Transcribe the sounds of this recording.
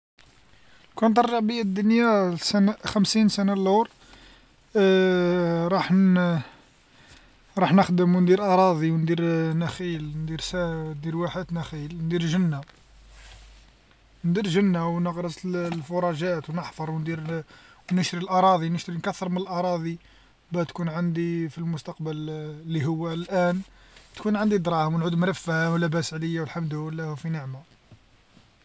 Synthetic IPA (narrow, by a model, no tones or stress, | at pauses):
kænt̪ˤːɑrˤʒɑʕbəjːad̪ːʊnjasænxəmsinsænaluɾ | ɾˤɑħ | ɾˤɑħnəxd̪əmnd̪iɾʔɑɾˤɑd̪ˤiwnd̪iɾnæxilnd̪iɾsænd̪iɾwaħəd̪næxilnd̪iɾʒənːa | nd̪iɾʒənːawnəɣɾəsəllfʊɾˤɑʒæt̪wnəħfɑɾˤwnd̪iɾwnəʃɾilʔɑɾˤɑd̪ˤinəʃt̪ɾinkæθːəɾˤmənəlʔɑɾˤɑd̪ˤi | bæt̪kunʕand̪ifilmʊst̪ɑq̚bəllːiɦʊwːælʔænt̪kunʕand̪id̪ɾˤɑhəmwnʕud̪mɾəfːæhəwlːæbæsʕləjːawəlħamd̪əlːæhufinəʕma